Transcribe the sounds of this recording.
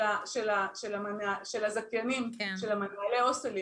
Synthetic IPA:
aʃelaʃelamanaʃelazakjanimʃelamanaleoseli

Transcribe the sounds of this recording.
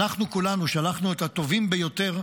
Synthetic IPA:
aχnukulanuʃalaχnuet̪hat̪o̞vimbejo̞t̪e̞ʁ

